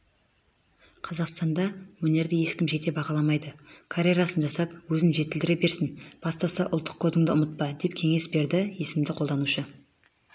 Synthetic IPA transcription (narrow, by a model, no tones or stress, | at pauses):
qʰɑzɑqst̪ɑnd̪ɑwɵne̞ɾd̪ɪje̞ʃkʲɪmʒe̞t̪e̞bɑʁɑlˠɑmɑjd̪əkʰaɾʲeɾasənʒɑsɑp̚wɵzɪnʒe̞t̪ɪld̪ɪɾebe̞ɾsɪnb̥ɑst̪ɑsɑʔʊlˠt̪ːə̥q̚kʰo̞d̪ɪŋd̪əʊmət̪̚pɑd̪e̞p̚kʲʰe̞ŋe̞sbe̞ɾd̪ɪje̞sɪmd̪ɪqʰold̪ɑnuʃə